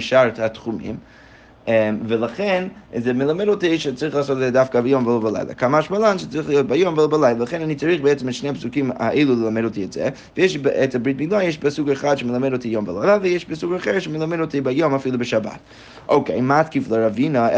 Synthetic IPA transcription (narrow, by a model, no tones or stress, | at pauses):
ʃaɾthatχumḭm | ɛmvəlˠaχɛnzɛmɪlˠamɛdotiʃɛt͡saɾiχlˠaːsɔtɛzɛdafkabɪjomvəlobalˠa̰ɪlˠa̰kamaaʃmalˠanʃət͡saɾiχlˠijot̚bajomvəlobalˠaɪlˠalˠaχɛnanit͡saɾiχbeɛt͡səmɛtʃnejpsukima̰ʔelˠulˠəlˠamɛdotiɛtz̥ɛ̰ | vɪjeʃbɛtabɾitmiɡlˠanjeʃpasukɛχadʃəməlˠamɛdotijomblaɪlˠavəjeʃpasukaχɛɹʃɛmɪlamɛdotibajomafilˠubəʃaba̰t | ʔoʊkḛɪmatkiflˠəɾavinə